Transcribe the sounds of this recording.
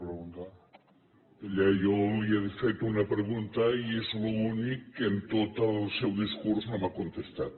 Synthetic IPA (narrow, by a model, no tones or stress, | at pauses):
pɾeɣunt̪a | eʎajoβiaðfet̪unapɾeɣunt̪aiezlounikːent̪ot̪alˠsewðiskuɾznomakont̪est̪at̪̚